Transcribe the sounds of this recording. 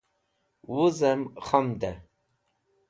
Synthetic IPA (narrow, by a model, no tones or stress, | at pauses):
wuzɛmχamd̪ɛ